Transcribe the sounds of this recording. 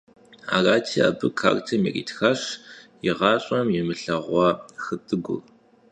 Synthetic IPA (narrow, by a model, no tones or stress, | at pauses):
a̰ːraːtʰiːa̰ːbɨkʰa̰ːrtʰɐmḭrḭːtxaɕjɪʁɑːɕʼɐmjɛmɨɬɐʁʷɔxɨtʼɨɡʷʊ̰